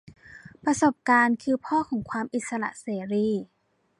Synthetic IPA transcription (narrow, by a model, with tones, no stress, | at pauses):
pɾa˧so˨˩p̚kaː˧nkʰɯː˧pʰɔː˥˩kʰɔː˩˦ŋkʰwaː˧mʔi˨˩t̪̚sa˧ɾa̰˧˩ʔseː˩˦ɾiː˧˥˩